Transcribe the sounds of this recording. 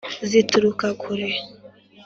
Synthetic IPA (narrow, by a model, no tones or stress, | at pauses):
zituɾukakʰuɾe